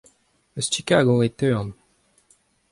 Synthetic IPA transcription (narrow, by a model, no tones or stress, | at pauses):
əst͡ʃikaɡoet̪øʁn